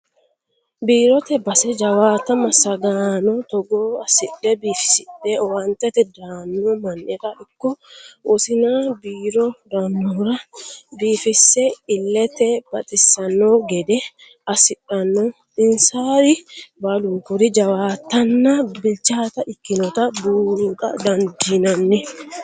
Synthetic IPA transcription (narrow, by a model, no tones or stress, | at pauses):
biːɾɔt̪ɛbɐsɛd͡ʒɐwaːt̪ɐmɐsɐɡaːnɔt̪ɔɡoːɐsɪᶑɛbiːfɪ̥sɪᶑɛɔwɐnt̪ɛt̪ɛd̪aːnːɔmɐnːɛɾɐʔɪkːɔʔʊsɪnabiːɾɔd̪ɐnːɔɾɐbiːfɪsːɛɪlːɛt̪ɛb̥ɐt̪ʼɪsːɐnːoːɡɛd̪ɛ | ɐsɪɗɐnːɔ | ɪnsaːɾɪbɐlʊŋkʊɾɪd͡ʒɐwaːt̪ːɐnːabɪlt͡ʃaːt̪ɐɪkːɪnɔt̪ɐbuːɾutɐ̰d̪ɐnd̪inɐnːɛ